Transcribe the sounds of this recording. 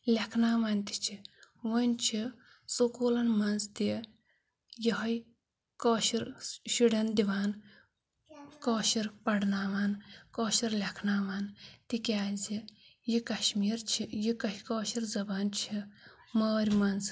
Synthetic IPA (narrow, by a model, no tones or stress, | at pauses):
lʲekʰnaːʋaːnt̪i̥t͡ʃʰiʋənt͡ʃʰi | sokoːlɐnmɐnzt̪i | jiɦɐj | kɔːʃiɾʃiɽɐnd̪iʋaːn | kɔːʃiɾpɐɽnaːʋaːnkɔːʃiɾlɐkʰnaːʋaːnt̪ikʲaːzijikɐʃmiːɾt͡ʃʰijikɐɦikɔːʃiɾzɐbaːnt͡ʃʰi | maːɾʲmɐnz